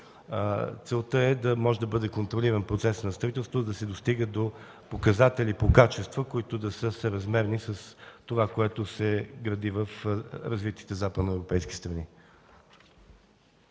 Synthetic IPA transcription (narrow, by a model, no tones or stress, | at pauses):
t̪sɛlˠt̪əɛd̪ɐmɔʒɛd̪ɐbɤd̪ɛkont̪ɾoliɾənpɾot̪sɛsnɐst̪ɐit̪ɛlˠst̪vod̪ɐsɛd̪ost̪iɡəd̪o | pokɐzat̪ɛlʲipokat͡ʃɛst̪vəkoit̪od̪ɐsəsəɾɐzmɛɾnisɐst̪ovakoɛt̪osɛɡɾɐd̪ivəfɾɐzvit̪i̥t̪ɛzapəd̪noɛvɾopɛjsk̟ʲi̥st̪ɾɐni